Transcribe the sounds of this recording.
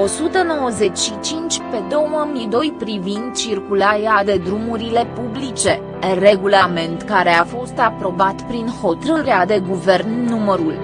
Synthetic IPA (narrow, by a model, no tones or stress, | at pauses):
o̞sut̪əno̞wəze̞t͡ʃʲʃit͡ʃint͡ʃʲpe̞d̪o̞wməmid̪o̞jpɾivind̪̚t͡ʃirkulaɾead̪e̞d̪ɾumuɾile̞publit͡ʃe̞ | re̞ɡulame̞nt̪kaɾe̞afo̞st̪apɾo̞bat̪pɾinho̞t̪ɾɨɾead̪e̞ɡuve̞rnːuməɾul